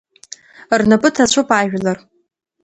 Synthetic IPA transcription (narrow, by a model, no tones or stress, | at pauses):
rnapʼɨtʰat͡ɕʷʰʊpʼaːʒᶣlar